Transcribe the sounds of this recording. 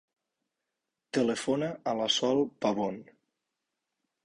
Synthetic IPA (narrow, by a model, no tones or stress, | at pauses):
t̪əlefonəəlasɔlˠpaβon